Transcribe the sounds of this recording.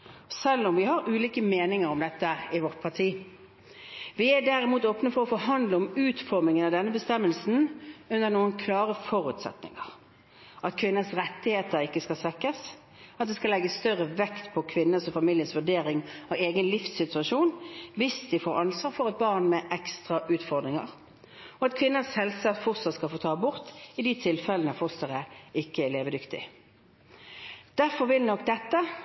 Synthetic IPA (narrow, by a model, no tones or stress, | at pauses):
sɛlːɔmʋɪhɑɾʉːliːkəmeːnɪŋəɾɔmd̪ɛt̪ːəɪʋɔʁt̪̚pʰɑtʰiː | ʋɪæɖ̪æɾɪmuːt̪oːpnəfɔɾɔfɔːɦɑnd̪ləɔmʉːt̪fɔʁmɪŋənɑʋd̪ɛnːəbəst̪ɛmːəlsn̩ʉnənuːənkʰlɑːʁəfɔɾʉːt̪sɛ̰t̪nɪ̰ŋə̰ʁ | ʔɑt̪kʰʋɪnːəsʁɛt̪ːɪheːt̪əɾɪkːəskɑlsʋɛkːəs | ɑt̪̚d̪ɛskɑlɛɡːəsst̪œʁəʋɛkt̪pʰɔkʰʋɪnːəsɔfɑmɪljənsʋʉd̪eːɾɪŋɑeːɡənlɪfsːɪt̪ʉɑʂuːnʋɪsd̪ɪfoːɾɑnsʋɑːʁfɔʁɛt̪̚bɑʁnmɛʔɛkst̪ʁɑʔʉːt̪fɔʁd̪ʁɪŋə̰ʁ | ɔɑt̪kʰʋɪnːəshɛlsɑt̪fɔʁsət̪skɑfoːt̪ʰɑːbʊʁt̪ɪd̪it̪ʰɪlfɛlənəfʊst̪əʁəɪkːəæleːʋəd̪ʏkt̪ɪ̰ | d̪̥æʁfɔʁʋɪlnɔkd̪ɛt̪ːə